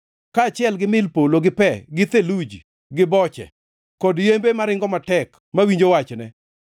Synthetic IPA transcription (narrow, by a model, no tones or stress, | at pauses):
kaːt͡ʃɪɛlɡɪmɪlpoloɡɪpɛɡɪt̪elud͡ʒi | ɡɪbɔt͡ʃɛ̰ | kɔdjembemaɾɪŋɡɔmatɛk | mawiɲd͡ʒowat͡ʃnɛ